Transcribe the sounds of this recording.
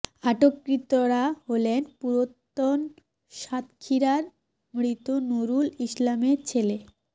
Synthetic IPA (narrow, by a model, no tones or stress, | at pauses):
aʈokːɾit̪oɾaɦolenpuɾot̪ːon | ʃat̪kʰiɾaɾ | mɽit̪onuɾuliʃlameɾt͡ɕʰele